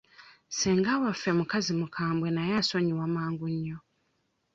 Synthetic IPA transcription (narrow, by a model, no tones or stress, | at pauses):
seːŋɡawafemukazimukʰaːmbwe̞najasoɲiwamaːŋɡuɲːo